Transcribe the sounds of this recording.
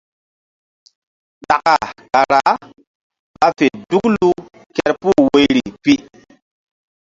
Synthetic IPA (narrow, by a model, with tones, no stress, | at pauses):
ɗa˨ka˨ka˨ɾa˨˦ | ɓa˦fe˨du˦klu˦ | kɛ˦ɾpu˦˨we˦ɾi˨pi˦